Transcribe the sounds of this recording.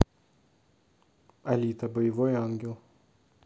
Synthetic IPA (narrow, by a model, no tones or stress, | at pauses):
ɐlʲiːt̪ɐbɐɪʋoːjɑŋʲɡʲɛlˠ